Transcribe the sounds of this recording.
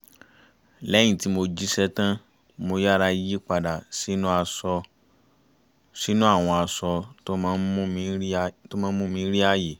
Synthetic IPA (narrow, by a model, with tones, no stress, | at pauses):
lɛ˦j̃ĩ˦˨ti˨˦mo˧d͡ʒi˦sɛ˦tã˦ | mo˧ja˦ɾa˧ji˦k͡pa˧da˨si˨˦nũ˦a˧sɔ˧ | si˨˦nũ˦a˦˨w̃ɔ̃˧a˧sɔ˧to˦mãː˦n̩˦mũ˦˧˦to˦mãː˨˦mũ˦mĩ˨˦ɾi˦a˦˨je˨